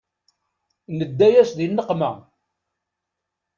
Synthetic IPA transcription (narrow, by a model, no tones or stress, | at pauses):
nəd̪ːæjæsðinːəqmæ̰